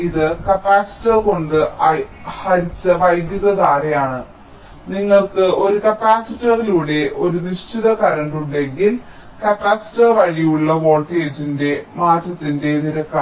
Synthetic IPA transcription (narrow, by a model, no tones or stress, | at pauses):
iðɨkɐpaːsi̥tːɐrko̞ɳɖɨɐhɐɾit͡ɕːɐʋɐjɡjuðɐðaːɾɐjaːɳɨ | niŋːɐɭkɨo̞ɾukɐpaːsitːɐriluːɽe̞ʔo̞ɾuniʂʈʰiðɐkɐɾɐɳɖuɳɖe̞ŋɡil | kɐpːaːsi̥tɐrʋɐɻijuɭːɐʋo̞ːɭʈeːd͡ʑinde̞maːd̪ʱjɐt̪ːinde̞niɾɐkːa